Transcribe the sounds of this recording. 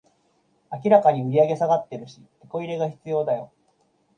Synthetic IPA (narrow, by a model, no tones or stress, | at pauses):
ak̬ʲiɾakaɲ̟iɯ̟ɾʲiaɡe̞saɡat̪ːe̞ɾɯ̟ɕit̪e̞ko̞iɾe̞ɡaçi̥t͡sɨjo̞ːd̪ajo̞